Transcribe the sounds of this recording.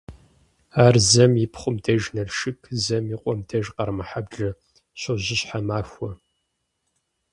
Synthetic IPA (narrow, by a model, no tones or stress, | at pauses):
aːrzɐmjɪpʰχʷʊmdʰɐʒnɐɮʃɨkʰzɐmjiqʷʼɔmdʰɐʒqɐrmɨħabɮɐ | ɕʊʑɪɕħamaːxʷɔ